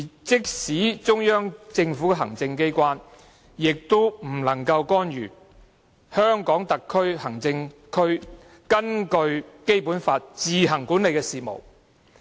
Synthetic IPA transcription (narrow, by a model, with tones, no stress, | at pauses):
t͡sɪ˥k̚siː˨˥t͡sʊ˥ŋjœː˥ŋt͡sɪ˧ŋfuː˨˥kɛ˨ɦɐ˨˩ŋt͡sɪ˧ŋke˥jkʷaː˥n | jɪ˨k̚t̪o˥m̩˨˩lɐ˨˩ŋkɐ˧wkɔː˥njyː˨˩ | hœː˥ŋkɔː˨˥ŋt̪ɐ˨kʰːɵ˥ɥhɐ˨˩ŋt͡sɪ˧ŋkʰɵ˥ɥ | kɐ˥nkɵ˧ɥke˥jpuː˨˥nfaː˧t̚t͡siː˨ɦɐ˨˩ŋkuː˨˥nle˨jkɛː˧siː˨mo̰˨˩w